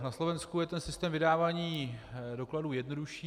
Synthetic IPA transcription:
naslovɛnskujɛt̪ɛnsɪst̪ɛːmvɪdaːvaːɲiːdo̞kladuːjɛdno̞duʃiː

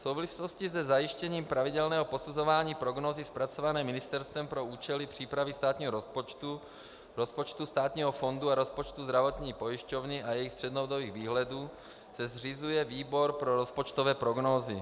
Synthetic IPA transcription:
fsowvlisit̪oscizɛzajiʃcɛɲiːmpɾavidɛlnɛːɦopo̞suzovaːɲiːpɾoɡnoːzispɾat͡sovanɛːmɪnɪst̪ɛɾst̪vɛmpɾouːt͡ʃɛlipr̝̥iːpɾavist̪aːt̪ɲiːɦoɾt̪u | ɾospot͡ʃt̪ust̪aːt̪ɲiːɦofo̞nd̪uaɾospot͡ʃt̪uzd̪ɾavot̪ɲiːpojiʃcovnɪʔajɛjixst̪r̝̥ɛd̪nood̪oviːɣviːɦlɛduː | sɛzrizujɛviːbo̞ɾpɾoɾospot͡ʃt̪ovɛːpɾoɡnoːzɪ

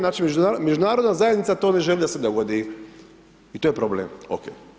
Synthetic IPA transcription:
naːt͡ʃimed͡ʒuamed͡ʒunaːɾod̪nazajed̪nit̪sat̪one̞ʒelid̪ased̪oɡod̪i | it̪ojepɾobleːmo̰keː

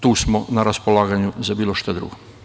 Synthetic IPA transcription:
t̪uːsmonaɾaspolˠaːɡaɲuzabiːlˠo̞ʃt̪ad̪ɾṵɡo

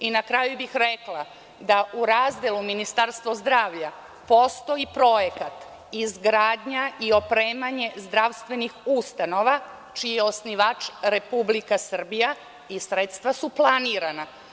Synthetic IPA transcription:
inakɾajubixɾeklˠa | d̪aʔuɾazd̪elˠuminist̪aɾst̪ʋozd̪ɾaːʋʎa | post̪o̞ipɾo̞jekat̪ | izɡɾaːd̪ɲaio̞pɾeːmaɲe̞zd̪ɾaʋst̪ʋe̞nixust̪ano̞ʋa | t͡ʃijeo̞sniʋaːt͡ʃɾe̞publikasr̩bija | isɾet̪st̪ʋasuplˠaniːɾana

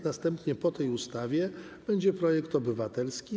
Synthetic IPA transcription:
nast̪ɛmpɲɛpɔt̪ɛjust̪avʲjɛ | b̥ɛɲd͡ʑɛpɾɔjɛkt̪ɔbɘvat̪ɛlskʲi

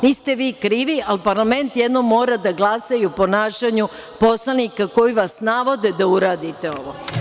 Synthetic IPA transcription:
niːst̪e̞ʋiːkɾiːʋialpaɾlame̞nt̪jed̪no̞mːo̞ːɾad̪aɡlˠasajupo̞naːʃaɲu | po̞slˠanikako̞jiʋasnaʋo̞d̪ed̪auɾaːd̪it̪eo̞ʋo

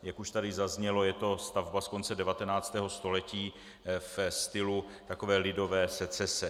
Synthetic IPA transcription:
jakuʃt̪adɪzazɲɛlo̞jɛt̪o̞st̪avbasko̞nt͡sɛdɛvat̪ɛnaːt͡st̪ɛːɦo̞st̪o̞lɛciː | fst̪ɪlu | t̪ako̞vɛːlɪdo̞vɛːsɛt͡sɛsɛ

